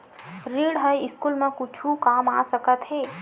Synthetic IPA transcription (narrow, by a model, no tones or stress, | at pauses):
ɾiːɽɦəjɪskuːlmẽkʊt͡ʃʰukaːma̰ːsəkət̪ɦeː